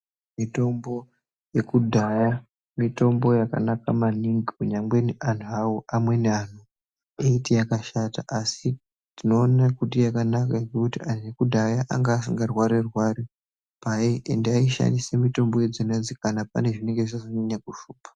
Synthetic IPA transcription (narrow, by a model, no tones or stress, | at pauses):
mito̞mbo̞ | je̞kudʱaja | mito̞mbo̞jaka̰nakamaniŋɡikuɲamɡwe̞nan̤uawoʔamwe̞nean̤u | eitijakaʃata̰ʔasi | tino̞ːnakutijakanakaɡekutian̤uje̞kudʱajaʔaŋɡaːsiŋɡarwaɾerwaɾi | pajeʔendeaiʃa̰nisemito̞mbo̞jed͡zinend͡zikanapa̰ne̞ʐine̞ŋɡeʐisasaniɲakuʃuːpḁ